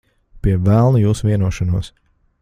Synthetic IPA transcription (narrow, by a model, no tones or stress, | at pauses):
piɛvælˠnujuːsuviɛnuɔʃɔnuɔs